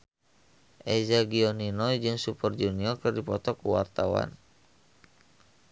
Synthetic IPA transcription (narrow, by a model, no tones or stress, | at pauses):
ʔɛzaɡiɔninɔid͡ʒɨŋsupərd͡ʒuniɔrkɨrdipɔt̪ɔkuwa̰rt̪awa̰n